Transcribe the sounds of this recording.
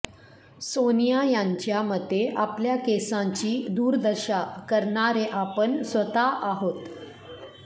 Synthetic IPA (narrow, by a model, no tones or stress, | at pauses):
sonijajãɲt͡ɕjaməd̪ʱːeʔapljakesãɲt͡ɕiːd̪uːɾd̪əɾɕakəɾɳaɾeʔapəɳsʋət̪aʔaɦot̪